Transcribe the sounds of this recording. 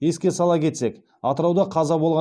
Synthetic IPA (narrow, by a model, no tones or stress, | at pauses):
je̞skʲe̞sɑlˠɑkʲʰe̞t̪sek | ɑt̪əɾɑwd̪ɑqʰɑzɑbo̞lˠʁɑ